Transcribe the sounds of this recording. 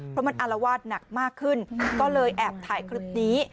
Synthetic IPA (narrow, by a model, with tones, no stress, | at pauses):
pʰɾɔ˦˥ma˧nʔa˧la˧waː˥˩t̪̚na˨˩k̚maː˥˩kʰːɯ˥˩nkɔː˥˩lɤː˧jʔɛː˨˩p̚t̪ʰaː˩˦jkʰɾi˦˥p̚niː˦˥